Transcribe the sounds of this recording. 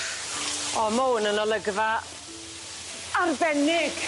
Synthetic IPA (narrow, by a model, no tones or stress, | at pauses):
ɔmownənɔlˠəɡva | arbɛnɪɡ̥